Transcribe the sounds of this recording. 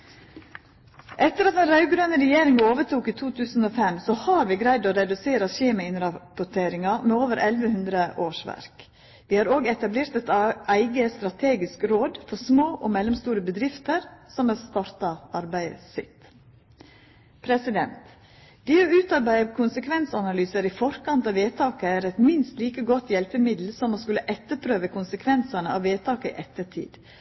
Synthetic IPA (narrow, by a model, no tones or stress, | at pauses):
ʔɛt̪ːəɾɑt̪d̪ɛːnɾɑʉɡɾøːnəɾɛjeːɾɪŋoːʋəʈuːkiːt̪ʰuːt̪ʰʉːsn̩oːfɛmsɔhɑːɾʋiːɡɾæɪd̪oːɾɛd̪ʉseːɾəʃeːməɪnɾɑpʊʈʰeːɾɪŋɑmeːoːʋəɾʔɛlʋəhʉnd̪ɾəʔoːʂʋæ̰ɾk | ʋiːhɑːɾoːɡɛt̪ɑbleːɾt̪ɛt̪æɪɡəst̪ɾɑt̪ʰeːɡɪskɾoːd̪fɔɾsmoːʔɔːmɛlːɔmst̪uːɾəbəd̪ɾɪft̪əɾsɔmɛlst̪ɑɾt̪ɑɑɾbæɪsɪ̰t̪ | pʰɾɛsɪd̪ɛnt̪ | d̪̥ɪɔʉːt̪ɑɾbæɪəkʰʊnsəkʰʋɛnsɑnɑlyːsəɾɪfɔɾkɑnt̪ɑːʋeːt̪ʰɑːkəæɾɛt̪mɪnst̪liːkəɡɔt̪jɛlpəmɪd̪l̩sɔmoːskʉlːəʔɛt̪ːəɾpʰɾøːʋəkʰʊnsəkʰʋɛnsɑnəɑʋeːt̪ʰɑːkəɪ̰ʔɛt̪ːəʈʰḭːd̪̥